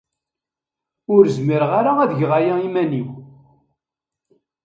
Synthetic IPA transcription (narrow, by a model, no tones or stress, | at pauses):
ʊɾzmiɾʁaɾaæðəʝʁajaimæniw